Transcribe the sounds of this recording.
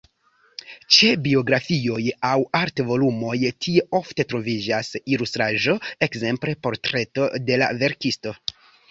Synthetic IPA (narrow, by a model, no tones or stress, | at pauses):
t͡ʃe̞bio̞ɡɾafio̞jawaɾtvo̞lumo̞jtʰie̞o̞fte̞tɾo̞vid͡ʒasilustɾaʒo̞e̞kze̞mple̞po̞ɾtɾe̞to̞de̞la̰ve̞ɾkisto̞